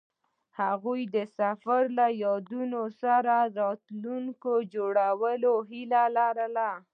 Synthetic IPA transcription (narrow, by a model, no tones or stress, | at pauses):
haɣujd̪əsafaɾlajɑd̪unosaɾaɾɑt̪luŋkod͡ʒoɽawəloɦilalaɾala